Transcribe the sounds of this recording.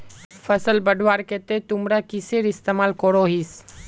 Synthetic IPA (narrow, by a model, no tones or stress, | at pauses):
fʰəsəlbəɖʱwaːɾket̪et̪ʊmɾakɪseːɾɪst̪eːmaːlkoɾoːɦis